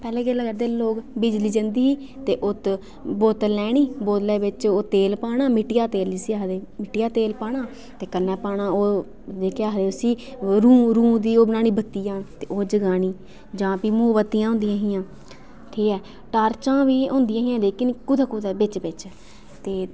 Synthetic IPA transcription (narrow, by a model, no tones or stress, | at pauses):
pɛːleːɡeːlaɡəɾd̪eːloːkbɪd͡ʒliːd͡ʒənd̪iːiː | t̪eːʔʊt̪ | boːt̪lɛːɽ̃iːboːd̪lɛːbɪt͡ʃoːt̪eːlpaːɽaːmɪʈɪjaːt̪eːlisiːaːɦd̪eːmɪʈɪjaːt̪eːlpaːɽaː | t̪eːkənɛːpaːɳaːoː | deːkʰeaːɦd̪eːʊsiːɾũːɾũːd̪iːoːbɪnaːniːbʱət̪ːijãːt̪eːʔoːd͡ʒəɡaːniː | d͡ʒãːpiːmoːbət̪ːijãːɦʊ̃ːnd̪ijãːɦijãː | ʈʰiːkɛː | ʈaːɾt͡ʃãːʋiːʊ̃ːnd̪ɪijãːɦiːãːleːkɪnkʊd̪ʱaːkʊd̪aːbɪt͡ʃbɪt͡ʃ | t̪eː